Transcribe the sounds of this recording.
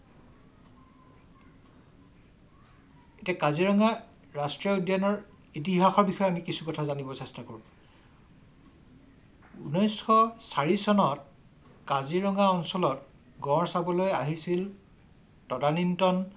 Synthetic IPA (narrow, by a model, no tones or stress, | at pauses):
etiakaziɹɔŋɡa | ɹastɹiɔodjanɔɹ | it̬iɦaxɔɹbixɔjɛamikisukɔtʰazanibɔsɛstakoɹũ | unojsxɔsaɹisɔnɔt̚ | kaziɹɔŋɡaɔnsɔlɔt̚ | ɡɔ̃ɹsabɔlojaɦisil | tɔdanintɔn